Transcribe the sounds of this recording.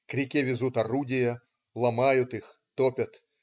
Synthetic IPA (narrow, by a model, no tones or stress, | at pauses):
kɾʲɪkʲiʋʲɪzut̪ɐrudʲɪjɐ | lˠɐmajʊt̪ɨx | t̪ɔpʲɐt̪